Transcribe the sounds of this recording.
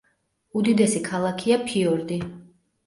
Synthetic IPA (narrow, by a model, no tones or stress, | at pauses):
ud̪id̪ɛsikʰalˠakʰiapʰiɔɾd̪i